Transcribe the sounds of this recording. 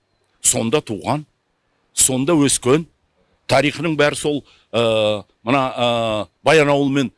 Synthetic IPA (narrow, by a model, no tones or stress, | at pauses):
so̞nd̪ɑt̪ʰuʁɑn | so̞nd̪ɑwɵskʲen | t̪ʰɑɾijχənəɴbæɾɪso̞lˠ | ə | mənɑəbɑjɑnɑwəlˠəme̞n